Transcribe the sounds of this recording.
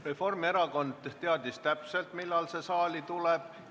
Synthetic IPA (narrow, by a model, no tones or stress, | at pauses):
refo̞rme̞ɾɑko̞nd̪̥t̪eɑd̪̥ist̪æpse̞lt̪milːɑlse̞sɑːlit̪uleb̥̚